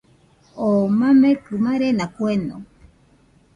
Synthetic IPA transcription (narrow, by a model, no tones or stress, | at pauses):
omãmẽkɨmaɾenakwenõ̰